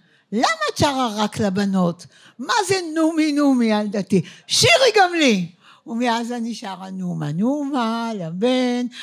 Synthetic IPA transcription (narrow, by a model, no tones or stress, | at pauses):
lamat͡ʃaʁaʁaklabanot | mazenuminumialdatiʃiʁiɡamli | umeazaniʃaʁanuma̰numalaben